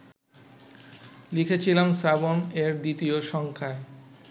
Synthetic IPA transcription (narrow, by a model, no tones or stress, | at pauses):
likʰet͡ɕʰilamsaboneɾd̪it̪ioʃɔŋkʰae